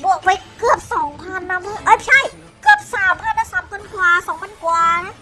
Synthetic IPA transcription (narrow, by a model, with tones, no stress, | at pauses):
bu˨˩ək̚pa˧jkɯ˨˩əp̚sɔː˩˦ŋpʰa˧nːa˧ma˧˩ʔaː˧˩t͡ɕʰa˥˩j | kɯ˨˩əp̚saː˨˩˦mpʰa˧na˧˥saː˨˦mkʰa˧nkwaː˨˩sɔː˩˦ŋpʰa˧nkwaː˨˩˧na˦˥